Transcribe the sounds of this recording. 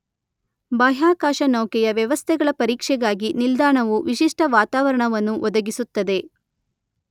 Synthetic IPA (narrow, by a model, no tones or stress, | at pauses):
baːɦaːkaːʃɐnɐwkɛjɐʋjɐʋɐst̪ʰɛɡɐɭɐpɐɾiːkʂɛɡaːɡinild̪aːɳɐʋuʋiʃiʂʈʰɐʋaːt̪aːʋɐɾɐɳɐʋɐnːuʔɔd̪ɐɡisut̪ːɐd̪e̞